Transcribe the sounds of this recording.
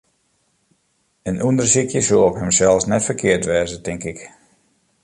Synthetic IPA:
ənʔundərsikjəsoɔpɦəmsɛlˠfsnɛtfərkʰɪərtʋɛːzətɪŋkɪk

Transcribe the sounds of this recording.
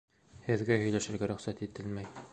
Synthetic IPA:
hɘ̆ðɡæhɵ̆jlæʃɘ̆ɾɡæɾɵ̆χsæt̪it̪ɘlmæj

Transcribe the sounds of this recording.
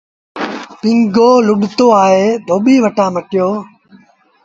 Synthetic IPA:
pɪ̃ŋɡoːlʊɗt̪oːaːɦeːd̪ʱoːɓiːʋəʈaːməʈɪjoː

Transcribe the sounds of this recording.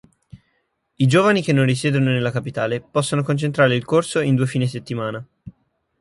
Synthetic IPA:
id͡ʒoːvanikenːõnrisɛːd̪ononelːakapit̪aːlepɔsːonokont͡ʃent̪ɾaːɾeilkorsoind̪uːefiːneset̪ːimaːna

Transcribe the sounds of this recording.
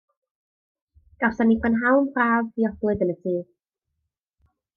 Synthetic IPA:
ɡ̥awsanipʰanɦawnpʰraːviɔblˠɨðənətʰiː

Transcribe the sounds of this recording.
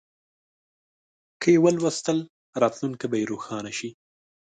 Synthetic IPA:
kəjewəlwəst̪əl | ɾɑt̪lunkabajeɾoxɑːnaʃi

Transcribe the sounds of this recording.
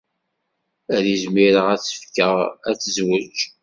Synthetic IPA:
æɾizmiɾəʁæt͡sːə̥fkəʁæt͡sːəzwət͡ʃ

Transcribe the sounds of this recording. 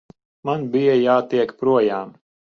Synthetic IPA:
manbijajaːt̪iɛkpɾuɔjaːm

